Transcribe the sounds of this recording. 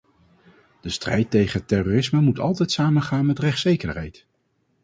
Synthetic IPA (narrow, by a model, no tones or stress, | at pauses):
d̥əstrɛjtejχənətɛroːrɪsməmutɑ̰lˠtɛjtsaːmənχaːnmɛtrɛχtsejkərɦɛjt